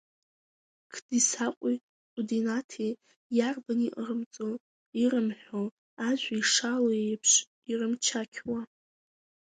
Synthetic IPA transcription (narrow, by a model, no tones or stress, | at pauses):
kʰd̥isaqʷʼi | qʼudinatʰe | jarbaniʔrɨmt͡sʼo | irɨmħʷᶣo | aʒʷaiʂaloejpʰʂ | irɨmt͡ʃʰakʲʰwa